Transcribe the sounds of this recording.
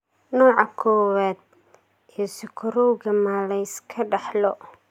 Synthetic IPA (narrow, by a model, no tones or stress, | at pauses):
nɔːʕɑkʰɔːwaːd̪̚ | ɛːsɪkʰʊɾɔwɣɐmaːlɛjskʰɐɖɑħlɔ